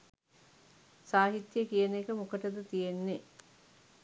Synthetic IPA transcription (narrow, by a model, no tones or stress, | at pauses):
saːɦit̪jəkijənekəmukəʈəd̪ət̪ijenːe